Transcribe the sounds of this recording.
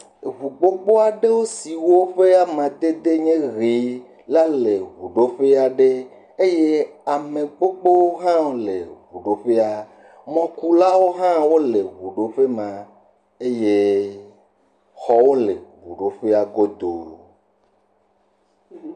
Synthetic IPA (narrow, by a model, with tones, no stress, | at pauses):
ɦu˨ɡ͡bo˦k͡po˦a˨ɖe˦wo˦si˨wo˦ɸe˦a˦mã˨d̪e˦d̪e˦ɲẽ˦ɣi˨ | la˦le˨ɣu˨ɖo˦ɸe˦a˨ɖe˦ | e˦je˦a˨mẽ˨ɡ͡bo˦ɡ͡bo˦wo˦ɦã˦o˨lḛ˨ɦu˨ɖo˦ɸe˦a˨ | mɔ̃˦ku˦la˦wo˦ɦã˦wo˦le˨ɦu˨ɖo˦ɸe˦mã˨ | e˦je˦ | xɔ˨wo˦le˨ɣu˨ɖo˦ɸe˦a˨ɡo˦d̪o̰˨